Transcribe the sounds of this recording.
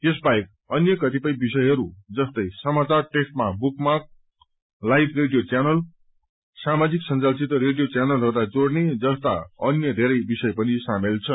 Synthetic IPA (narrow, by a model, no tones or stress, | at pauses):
t̪es̬baek̚ | ʌnjʌkʌt̪ipʌj̃bisʌjɦʌɾud͡zʌst̪ʌjsʌmat͡sarʈesʈ̚mabukmak̚ | lajbreɖijot͡sjanʌl | samad͡ziksʌnt͡salt͡sit̪ʌɾeɽijot͡sjanʌlɦʌɾd̪ad͡zoɽned͡zʌst̪a̰ʌnjʌd̪ʱeɾʌjbisʌjpʌnisamelt͡sʰʌ